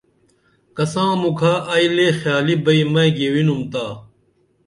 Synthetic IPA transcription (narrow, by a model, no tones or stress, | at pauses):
kɐsãːmukʰaːʔɐjlexjaːlibɐimɐ̃jɡeːwinumt̪aː